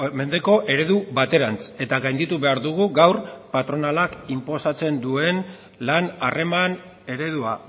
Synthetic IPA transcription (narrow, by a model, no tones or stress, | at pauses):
me̞nd̪e̞ko̞ʔe̞ɾe̞ð̞uβat̪e̞ɾant͡se̞t̪aɣajnd̪it̪uβe̞aɾðuɣ̞uɡawrpat̪ɾo̞nalakimpo̞sat͡se̞nd̪ue̞n | lanare̞man | e̞ɾe̞ðua